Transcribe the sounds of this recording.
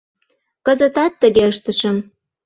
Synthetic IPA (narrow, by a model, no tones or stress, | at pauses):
kə̆zə̆t̪ɑt̪ːəɣeəʃt̪ə̆ʃəm